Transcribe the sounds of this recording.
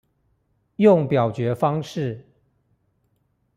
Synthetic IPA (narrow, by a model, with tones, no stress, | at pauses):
jʊ˥˨ŋpjɑ˨˩ʊt͡ɕɥɛ˨˧˥fɑ˥ŋʂɻ̩˥˨